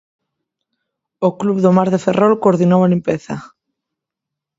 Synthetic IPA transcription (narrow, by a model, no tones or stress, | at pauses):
okluβðomaɾðeferʔolkoɾðinowalimpeθa̰